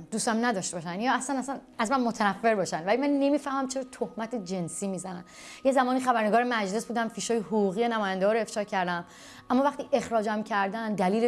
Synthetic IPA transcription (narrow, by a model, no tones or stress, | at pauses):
d̪uːst̪æmnæd̪ɒʃt̪e̞bɒʃænjɒːæslænæsæn | æzmænmot̪ʰænæfːe̞ɾbɒːʃænd̪vælimænːe̞miːfæhmæmt͡ʃʰeɾɒːt̪ʰohmæt̪ʰed͡ʒe̞nsiːmiːzænæ̰n | je̞zæmɒːniːxæbæɾneɡɒːɾemæd͡ʒle̞sbuːd̪æmfiːʃɒːjehoɣuːɣiːenæmɒːjænd̪ɡɒːɾoe̞fʃɒːcʰæɾd̪æm | ʔæmːɒːvæxt̪iːʔe̞xɾɒːd͡ʒæmcʰæɾd̪ænd̪æliːle